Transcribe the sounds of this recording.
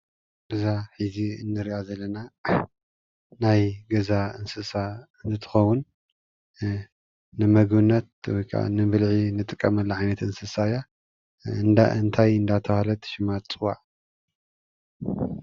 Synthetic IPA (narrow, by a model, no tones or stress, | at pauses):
ɡɐzaħiziɨnːɨɾiʔazɐlːɐna | najɡɐzaɨnsɨsaɨnɨt̪ʰɨ̥xɐwun | ɨmɐɡβɨnːɐt̪̚wɔjkʰa̰nɨβɨlʕinɨt̪ʼɨkʼːɐmɐlːɐʕajnɐt̪ɨnsɨsaja | ɨnd̪aɨnt̪ʰajɨnd̪at̪ʰɐhalɐt̪ʃɪmat̪ʼt͡sʼɨwa̰ʕ